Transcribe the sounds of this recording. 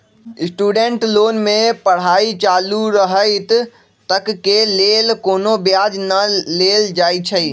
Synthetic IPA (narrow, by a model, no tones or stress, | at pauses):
sʈuːɖeɳʈloːnmẽpəɽ̤aːit͡ʃaːluɾəɦəɪt̪ | t̪ːəkkːeleːlkoːnobjad͡ʒnəleld͡ʒaːit͡ʃʰəi